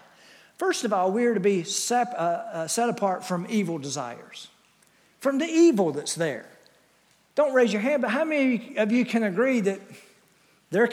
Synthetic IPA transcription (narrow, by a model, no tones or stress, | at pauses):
fɜ˞stʌvɔlˠwiə˞ɾɨbisɛsɛɾəpʰɑɹtfɹʌ̃mivl̩ˠdɨza̰ɪə̰˞z̥ | fɹʌ̃mðiivl̩ˠðɨtsðə˞ | d̥õʊ̃nʔ̚ɹeɪzjə˞ɦæ̃nd̚bʌt̚ɦaʊmɛniʌvjɨkʰɨ̃nɨɡɹiðɨt̪̚ | ðə˞